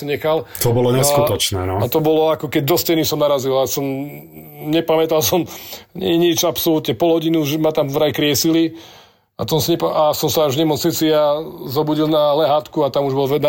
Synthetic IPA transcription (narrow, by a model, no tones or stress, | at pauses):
ɲɛxalt̪ɔbɔlɔɲɛskut̪ɔt͡ʃnɛ̰ːnɔat̪ɔbɔlɔakɔkɛɟd̪ɔstɛjnisɔmnaɾazilasɔm | ɲɛpamɛt̪alsɔmɲɛɛɲit͡ʃapsɔlut̪ɲɛpɔlɦɔɟinuʒɛmat̪amvɾajkɾɪɛsili | at̪ɔnsaɲɛpaasɔmsaaʒɲɛmɔt͡snit͡siazɔbuɟilnalɛɦaːt̪kuat̪amuʒbɔlɛna